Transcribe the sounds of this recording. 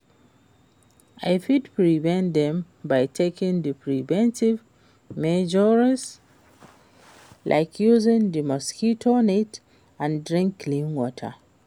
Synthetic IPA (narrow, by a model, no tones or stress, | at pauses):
ʔaɪfidpɹivɛ̃ndɛ̃m | bajtʰekĩŋdɨpʰɹivɛ̃ntiv | mɛd͡ʒɔɹs | lʔa̰ɪkʰjuzɪ̃ŋdimɔskitʰonet | ãndɹĩŋkːlĩnwɔtʰə̰